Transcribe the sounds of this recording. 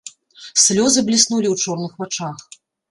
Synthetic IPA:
sʲlʲɔzɨblʲisnulʲiwt͡ʂɔrnɨxvat͡ʂax

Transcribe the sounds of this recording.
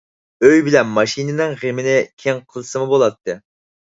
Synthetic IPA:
øjbɪlɛnmɑʃinɪnɪŋʁemɪnɪkʲʰeŋqʰəlˠsɨmubolˠɑt̪ʰːɨ

